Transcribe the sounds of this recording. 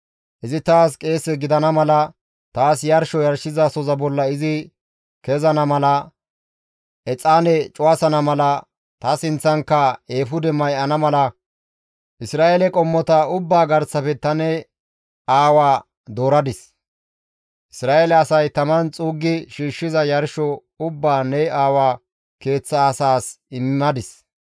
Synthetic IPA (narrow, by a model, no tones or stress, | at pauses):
ʔɪzɪt̪aːskʼe̞ːsːɛɡɪd̪ɐnɐmɐlɐ | t̪aːsjɐɾʃɔjɐɾʃɪzasɔzɐbɔlːɐɪzɪ | kɛzɐnɐmɐlɐ | ʔɛt͡sʼːaːnɛt͡ʃʼʊwasɐnɐmɐlɐ | t̪ɐsɪnt͡sːɐŋkːɐeːfʊd̪ɛmɐjʔɐnɐmɐlɐ | ʔɪsɾaːʔelɛkʼɔmːɔt̪ɐʊbːaːɡɐɾsɐfɛt̪ɐnɛ | aːwaː | d̪oːɾɐd̪ɪs | ʔɪsɾaːelɛɐsɐjt̪ɐmɐnt͡sʼuːɡːɪʃiːʃːɪzɐjɐɾʃɔ | ʊbːaːnɛaːwaː | ke̞ːt͡sːɐːsaːs | ɪmːɪmɐd̪ɪs